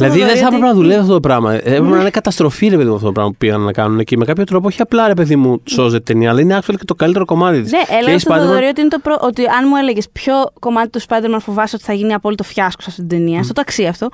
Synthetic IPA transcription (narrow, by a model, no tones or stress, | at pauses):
ilɐðiðeθɐpɾepenɐðuleviɐft̪ot̪opɾɐmɐepɾepeninekɐt̪ɐst̪ɾo̞fiɾe̞pe̞ðimuɐft̪ot̪pɾɐ̰mɐpupiɣɐnnɐkɐnunecemekɐpçot̪ɾo̞p̬ooçiɐplɐɾepe̞ðimuso̞zet̪t̪eniɐlɐineɐksɐlocet̪okɐlit̪eɾo̞ko̞mɐt̪it̪neʔeleeispɐd̪eɾmoɾiot̪iinet̪opɾoʔot̪iɐnmue̞leʝespço̞ko̞mɐt̪i̥t̪uspɐjd̪eɾmɐnfo̞vɐso̞t̪θɐʝiniɐpo̞lit̪ofçɐsko̥sɐft̪ot̪d̪eniɐɐft̪ot̪ɐksiɐft̪o̞